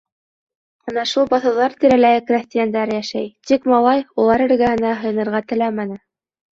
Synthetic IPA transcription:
ɤnɑʃulˠbɑθɤ̆wðɑɾt̪iɾælæjɘkrʲæsʲt̪ʲɪjand̪æɾjæʃæjt̪ikmɑlˠɑjulˠɑɾɘ̆ɾɡæɦɘ̆nɑɦɤ̆j̆nɤ̆ɾʁɑt̪ɘ̆læmænɘ

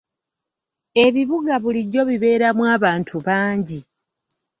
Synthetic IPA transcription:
e̞βiβuɡaβuliɟːo̞βiβe̞ːɾamwaːβaːntʰuβaːɲɟi

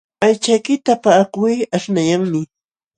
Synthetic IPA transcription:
ajt͡ʃajkɪt̪apaːkʊjaʃnajaŋmɪ

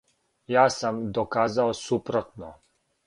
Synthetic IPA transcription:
jaːsamd̪okaːzaosupɾot̪no

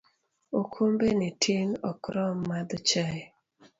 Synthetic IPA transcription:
okʰombenɪtʰinɔkɾɔmːad̪ɔt͡ʃa

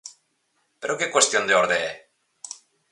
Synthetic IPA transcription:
peɾokekwest̪jond̪eoɾðee

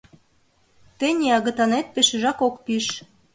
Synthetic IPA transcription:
t̪enʲeɑɣə̆t̪ɑnet̪̚peʃĕʒɑkokpiʃ

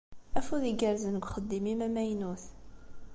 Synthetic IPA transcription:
æfuðiɡəɾzənəɡʷχəd̪ːimimæmæjnuθ

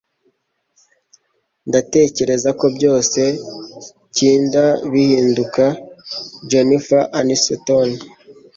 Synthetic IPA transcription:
ndate̞ce̞ɾe̞zako̞bɟo̞ːse̞ | ciːndaβihiːnduka | d͡ʒonifaʔanisoton

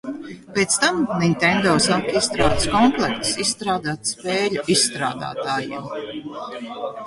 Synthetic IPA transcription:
pʲeːt̪st̪amnint̪ɛnd̪ɔːsakist̪ɾaːd̪skɔmplˠɛkt̪sisst̪ɾaːd̪aːt̪speːluisːt̪ɾa̰ːd̪a̰ːt̪aːjḛm

